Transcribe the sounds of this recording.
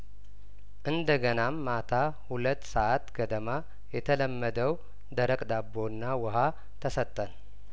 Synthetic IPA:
ʔɨnd̪əɡənamːat̪ʰahulət̪ːsəʔat̪ɡəd̪əma | jɛt̪ʰələmːəd̪əw | d̪əɾəkʼd̪abːonːawəɦa | t̪ʰəsət̪ʼːən

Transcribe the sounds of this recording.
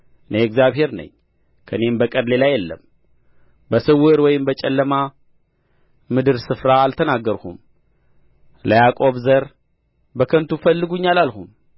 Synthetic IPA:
nɐɛkzjaβɦe̞ɾnɐ̰ɲ | kʰɐnembəkʼɐd̪lelajɛlːɐ̰m | bəsɨwːɨɾwɔjɪmbɐt͡ʃʼɐlːɐma | mɨd̪ɨɾsɨfɾaːlt̪ʰɐnaɡɐɾxṵm | lɐjakʼo̞βzɐɾ | bəkʰɐnt̪ʰufɐlːɨɡuɲːalalxum

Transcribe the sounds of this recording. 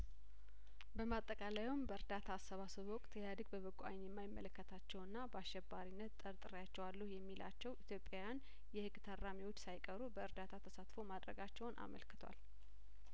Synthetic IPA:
bəmat̪ʼːəkʼalajumbəɨɾd̪at̪ʰaːsəβasɨβwɔkʼt̪ʰjad̪ɨɡbəβəkʼːuʔa̰jnjɛmːajɪmːələkːət̪ʰat͡ʃːɛwɨnːabəaʃɛbːaɾinːət̪t̪ʼːəɾt̪ʼɨɾjat͡ʃːɛwalːuhjɛmːilʔa̰t͡ʃːɛwʔit̪ʰjo̞pʼːajan | jɛhɨɡːt̪ʰarːamiwo̞t͡ʃːsajkʼəɾubəɨɾd̪at̪ʰat̪ʰəsat̪fo̞mad̪ɾəɡat͡ʃːɛwnʔa̰mə̰lkɨ̥t̪ʰwa̰l

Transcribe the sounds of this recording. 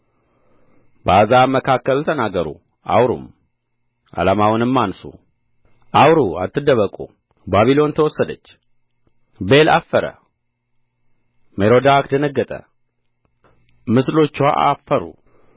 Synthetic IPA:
bazaməkʰakːəlt̪ʰənaɡːəɾṵ | ʔawɾṵm | ʔa̰lamawnɨmːansṵ | ʔawɾua̰t̪ːɨd̪əβəkʼu | baβilo̞nt̪ʰəwɔsːəd̪ət͡ʃː | be̞lafːəɾə̰ | meɾo̞d̪akd̪ənəɡːət̪ʼə̰ | mɨslo̞t͡ʃːwa̰ʔafəɾṵ

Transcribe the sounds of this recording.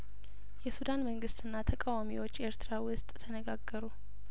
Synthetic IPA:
jɛsud̪anməŋɡɨst̪ʰʼɨnːat̪ʰəkʼawamiwo̞t͡ʃːe̞ɾt̪ɾawʊst̪ʼt̪ʰənəɡaɡːəɾu

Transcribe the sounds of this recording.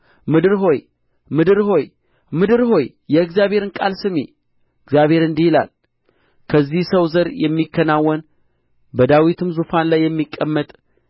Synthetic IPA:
mɨd̪ɨɾɦo̞j | mɨd̪ɨɾho̞j | mɨd̪ɨɾɦo̞j | jɛɨɡzjaβhe̞ɾɨnkʼalsɨmḛ | ɨɡzjaβhe̞ɾɨnd̪ihila̰l | kʰəzːihsəwzəɾjɛmːikʰːənawːɔn | bəd̪awit̪ʰɨmzufanlajːɛmːikʼːəmːət̪ʼ

